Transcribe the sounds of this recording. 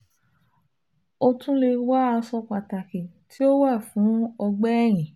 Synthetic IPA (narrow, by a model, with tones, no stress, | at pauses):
o˧tũ˦le˧wa˦a˧sɔ˧k͡pa˨ta˨kĩ˨tʰi˦o˦wa˦˨fũ˨˦ɔ˧ɡ͡bɛ˦ɛ˦˨j̃ĩ˨